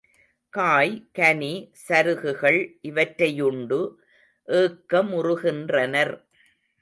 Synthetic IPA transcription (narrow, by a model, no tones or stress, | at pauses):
kaːjkɐnisɐɾɯɣɯɣɐɭʔɪʋɐʈɾɐjʊɳɖɯ | ʔeːkːɐmʊrʊɣɪndrɐnɐɾ